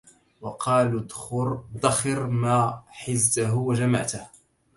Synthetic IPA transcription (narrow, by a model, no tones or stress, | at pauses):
wɑqʰɑːlʊd̪xʊɾd̪ɑxɪɾmaːħɪzːaɦʊwad͡ʒama̰ʕt̪ah